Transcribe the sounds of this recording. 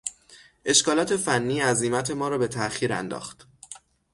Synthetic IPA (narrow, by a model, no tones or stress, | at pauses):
ʔe̞ʃkɒːlɒːt̪ʰe̞fænːiːæziːmæt̪ʰe̞mɒːɾɒːbe̞t̪ʰæxiːɾæ̰nd̪ɒ̰ːxt̪